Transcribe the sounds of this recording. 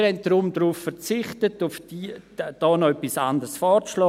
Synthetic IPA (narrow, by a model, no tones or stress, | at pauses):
ɾhɛnt̚dɾumdɾuːffɛɾt͡sɪχtətʊfd̥iːd̥ɔːnɔœpːisandərsfɔːɾt͡sʃlɔː